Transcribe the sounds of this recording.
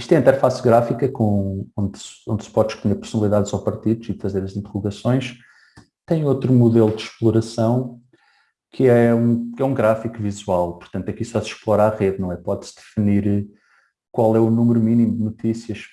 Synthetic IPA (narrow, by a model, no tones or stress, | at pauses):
iʃt̪ẽĩt̪ɛɾfasɣɾafikɐkõõnd̪sõnd̪spɔðʃkuɲeɾpuɾ̥sunɐlˠiðaðzɔpɐɾt̪iðuziðfɐzeɾɐzĩnt̪ʁuɣɐsõj̃ʃ | t̪ɐ̃j̃ot̪ɾumuðelˠud̪ʃplˠuɾɐsɐ̃w̃ | kʰɨɛũkɛũɡɾafikvizwalˠpuɾt̪ɐ̃nt̪ɐkisɔsʃplˠɔɾaʁeðnɐ̃w̃ɛpɔðsd̪ɨfɨniɾ | kwalˠɛunumɾuminimd̪ɨnut̪isiɐʃ